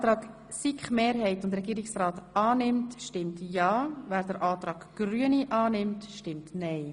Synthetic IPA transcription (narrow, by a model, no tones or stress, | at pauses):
tɾɑːk | sikχmeːɾɦɛɪtʊndɾɛɡiːɾɪksrɑːtɑːnɪmtʃtɪmtjɑːvæːɾd̥əɾʔɑːt̪ɾɑːɡ̥ɡ̥ryəniʔɑːnɪmtʃtɪmtnɛɪ